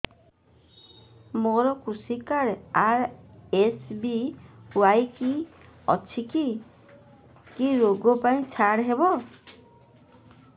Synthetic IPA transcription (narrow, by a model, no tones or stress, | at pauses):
moɾɔkusikaɾaɾesbiwajki | ɔ̰t͡ʃʰiki | kiɾoɡɔpaĩt͡ʃʰaɽɦebɔ